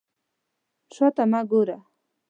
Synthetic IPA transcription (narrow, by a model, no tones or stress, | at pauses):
ʃot̪amaɡʊɾa